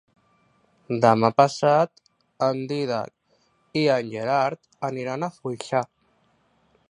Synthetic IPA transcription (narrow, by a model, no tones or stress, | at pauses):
d̪əmapəsat̪ | ənd̪iða̰k̚ | iənʲʒeɾaɾt̪ | əniɾanafujʃa